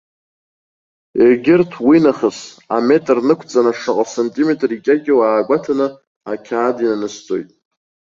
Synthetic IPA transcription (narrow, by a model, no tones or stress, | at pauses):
erɡʲɪrtʰwinaχəs | a̰me̞tʼrnɨkʷʰt͡sʼanaʂɨqʼasantʼimetʼrikʲʼaɡʲɪwaːɡʷatʰanɨ | akʲʰaːdinanɨst͡sʼo̰jtʼ